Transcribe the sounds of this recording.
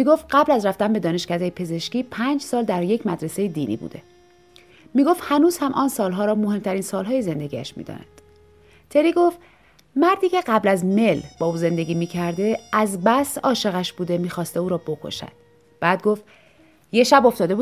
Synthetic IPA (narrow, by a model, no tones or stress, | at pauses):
miːɡo̞ft̪̚ɢæblæzɾæft̪ænbe̞d̪ɒːne̞ʃcæd̪ejepʰe̞ze̞ʃciːpʰænd͡ʒsɒːld̪æɾje̞cʰmæd̪ɾese̞jed̪iːnḭːbṵd̪e̞̰ | miːɡo̞ft̪hænuːz̥hæmʔɒːnsɒːlɦɒːɾɒːmo̞ɦe̞mt̪ʰæɾiːnsɒːlɦɒːjeze̞nd̪e̞ɟiːæʃmḭːd̪ɒ̰næ̰nd̪̥ | t̪ʰe̞ɾiːɡo̞ft̪ | mæɾd̪iːcʰe̞ɢæblæzme̞lb̥ɒːuːze̞nd̪e̞ɡɟʲiːmiːcʰæɾd̪e̞æzbæsɒːʃe̞ɣæʃb̥uːd̪e̞miːxɒːst̪euːɾɒːbo̞kʰo̞̰ʃæ̰d̪̥ | b̥æːd̪̚ɡo̞ft̪ | je̞ʃæbo̞ft̪ɒːd̪e̞buː